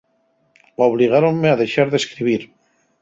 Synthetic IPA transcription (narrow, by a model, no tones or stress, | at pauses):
oβliɣ̞aɾoŋmːeaðe̞ʃaɾðe̞skɾiβ̞iɾ